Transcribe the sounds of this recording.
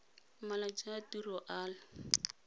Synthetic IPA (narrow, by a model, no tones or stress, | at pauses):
malat͡ʃʼatirɔʔaːlɪ